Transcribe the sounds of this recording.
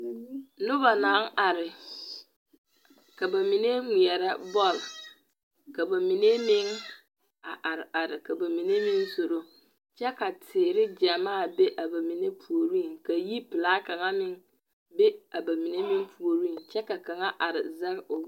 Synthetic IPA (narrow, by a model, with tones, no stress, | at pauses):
nʊ˦ba˨na˦ŋa˨ɾɪ˨ | ka˨ba˨mi˨ne˦ŋʷi˨ɛ˨ɾɛ˦bɔ˦˨l | ka˨ba˨mi˨ne˦mɪ˦ŋ | a˨ʔa˨ɾa˨ɾɪ˨ka˨ba˨mi˨ne˦mi˦nso˨ɾo˦ | t͡ʃɛ˦ka˨tʰɪː˨ɾɪ˦d͡ʒa˨maː˦˨be˦ʔa˨ba˨mi˨ne˦pʰu˨o˨ɾi˦˨ŋka˨ji˦pɪ˨laː˦ka˨ŋa˦mɪ˦ŋ | be˦a˨ba˨mi˨ne˦mi˦ŋpʰu˨o˨ɾi˦˨t͡ʃɛ˦ka˨ka˨ŋa˦ʔa˨ɾɪ̰˨zɛ˦ɣʊ˨